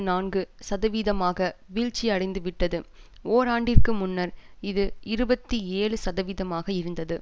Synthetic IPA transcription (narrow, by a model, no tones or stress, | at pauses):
naːnɡɯsɐðɐʋiːðɐmaːɣɐʋiːɭt͡ʃːiɐɽɐɪnd̪ɯʋɪʈːɐðɯoːɾaːɳɖɪrkɯmʊnːɐɾɪðɯɪɾɯbɐt̪ːieːɭɯsɐðɐʋiːðɐmaːɣɐɪɾɯnd̪ɐðɯ